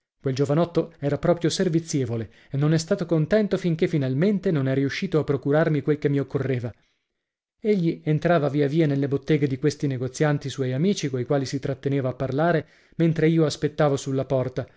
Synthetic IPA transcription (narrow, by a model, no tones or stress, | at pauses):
kweld͡ʒovanɔt̪ːoɛːɾapɾɔːpɾjoservit̪sːjeːvole | enːonɛst̪aːt̪okont̪ɛnt̪ofiŋkefːinalment̪enonɛɾiuʃːiːt̪oapːɾokuɾarmikwelkemːiokːorːeːva | eʎːient̪ɾaːvaviːaviːanelːebot̪ːɛːɡed̪ikwest̪ineɡot̪sːjant̪iswɔjamiːt͡ʃikoikwaːlisit̪ɾat̪ːeneːvaːpːarlaːɾe | ment̪ɾeiːoaspet̪ːaːvosulːapɔrt̪a